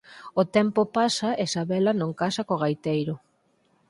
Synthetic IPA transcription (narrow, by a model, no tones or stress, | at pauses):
ot̪ɛmpopasɐesaβelɐnõŋkasɐkoɣajt̪ejɾʊ